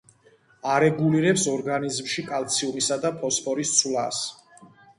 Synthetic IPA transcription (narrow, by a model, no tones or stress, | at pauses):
aɾɛɡuliɾɛpsɔɾɡanizmʃikʼalˠt̪sʰiumisad̪apʰɔspʰʼɔɾist̪sʰwla̰s